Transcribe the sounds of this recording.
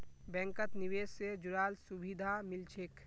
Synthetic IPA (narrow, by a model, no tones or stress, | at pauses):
bɛ̃ːŋkət̪nɪʋeːsːed͡ʒʊɾaːlsubid̪ʱamɪlt͡ʃʰeːk